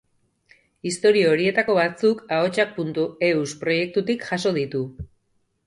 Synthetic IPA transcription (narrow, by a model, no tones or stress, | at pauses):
ist̪o̞ɾiooɾie̞t̪ako̞βat͡sukao̞t͡ʃak̚punt̪ue̞uspɾo̞je̞k̚t̪ut̪ikʝaso̞ð̞it̪u